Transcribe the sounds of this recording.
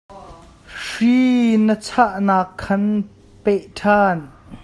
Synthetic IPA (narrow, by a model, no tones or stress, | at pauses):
ʂiːnət͡sʰaʔnaːkʰːɐn | pɛʔtʰaːn